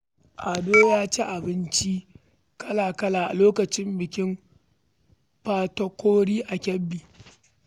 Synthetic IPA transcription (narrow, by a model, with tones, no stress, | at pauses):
ʔa˨doː˦jaː˦t͡ʃe˦ʔa˨bɪ˦nt͡ʃi˦ | kɐ˦laː˨kɐ˦laː˨ʔa̰˨loː˦kɐ˨t͡ʃɪ˦mbɪ˨kʲɪ˦m | ɸaː˦tɐ˦kʷoː˦ɽiː˦ʔa˨kʲɛ˦bːiː˨